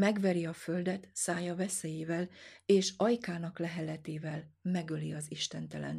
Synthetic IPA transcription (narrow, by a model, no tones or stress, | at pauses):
mɛɡʋɛɾiɒfø̞ld̪ɛt̪saːjɒvɛsɛjeːvɛleːʃɒjkaːnɒklɛɦɛlɛt̪eːvɛlmɛɡøliɒziʃt̪ɛnt̪ɛlɛ̰n